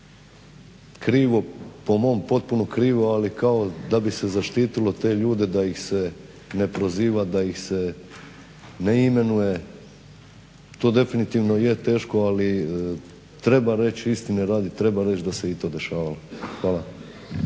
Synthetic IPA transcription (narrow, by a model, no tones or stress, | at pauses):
kɾiːʋo̞po̞mo̞mpo̞t̪̚punokɾiːʋoalikao̞d̪abisezaʃt̪iːt̪ilo̞t̪e̞ːʎuːd̪e̞d̪aixse̞ | ne̞pɾoziːʋad̪aixse | ne̞ime̞nuje̞ | t̪o̞ːd̪e̞finit̪iːʋno̞jet̪e̞ːʃko̞ali | t̪ɾe̞baɾe̞t͡ɕist̪ineɾaːd̪it̪ɾe̞baɾe̞t͡ʃd̪ase̞it̪o̞ːd̪e̞ʃaːʋaloxʋaːlˠa